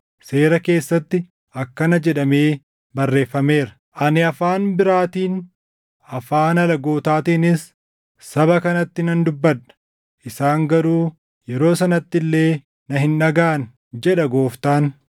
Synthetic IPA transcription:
seːɾɐke̞ːsːɐt̪ːɪ | ʔɐkːɐnɐd͡ʒɛᶑɐme̞ː | bɐrːe̞ːfːɐme̞ːɾɐ̥ | ʔɐnɪɐfaːnbɪɾaːt̪iːn | ɐfaːnɐlɐɡo̞ːt̪aːt̪iːnɪs | sɐbɐkɐnɐt̪ːɪnɐnd̪ʊbːɐᶑɐ̥ | ʔɪsaːŋɡɐɾuː | jɛɾo̞ːsɐnɐt̪ːɪlːe̞ː | nɐɦɪnᶑɐɡaːn | d͡ʒɛᶑɐɡo̞ːft̪aːn

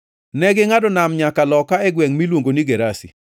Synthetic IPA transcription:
nɛɡɪŋadɔnamɲakalɔkaɛɡwɛŋmilwoŋɡoniɡeɾasḭ

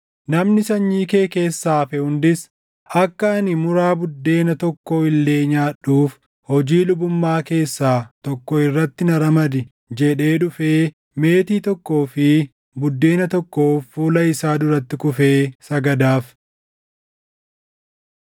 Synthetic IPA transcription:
nɐmnɪsɐɲːiːke̞ːke̞ːsːaːfɛhʊnd̪ɪs | ɐkːɐɐnɪmʊɾaːbʊd̪ːe̞ːnɐt̪ɔkːoːɪlːe̞ːɲaːᶑuːf | hɔd͡ʒiːlʊbʊmːaːke̞ːsːaːt̪ɔkːɔɪrːɐt̪ːɪnɐɾɐmɐd̪ɪ | d͡ʒɛᶑe̞ːᶑʊfeː | me̞ːt̪iːt̪ɔkːo̞ːfɪ | bʊd̪ːe̞ːnɐt̪ɔkːoːfːuːlɐɪsaːd̪ʊɾɐt̪ːɪkʊfe̞ːsɐɡɐd̪aːf

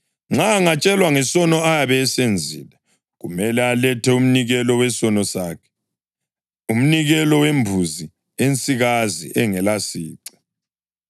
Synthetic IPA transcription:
ŋ͡ǁaːŋat͡ʃʼɛlwaŋɛsɔnɔajaβɛːsend͡zʱḭːlɛ | ɣumɛlɛalɛtʰɛum̩niɣɛlɔwɛsɔnɔsaːkʰɛ̥ | um̩niɣɛlɔwembʱuzi | ent͡sʼiɣazḭʔɛŋɛlasiːǀɛ̥

